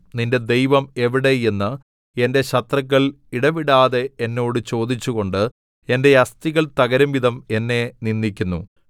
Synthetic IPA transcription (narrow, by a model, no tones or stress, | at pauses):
ninde̞d̪e̞jʋɐme̞ʋiɽe̞jenːɨ | e̞nde̞ɕɐt̪rɐkːɐɭ | iɽɐʋiɽaːðe̞enːo̞ːɽɨt͡ɕo̞ːd̪it͡ɕːuɣo̞ɳɖɨ | e̞nde̞ɐst̪iɣɐɭt̪ɐɣɐɾɐmʋid̪ʱɐme̞nːe̞ninːikʲːunːṵ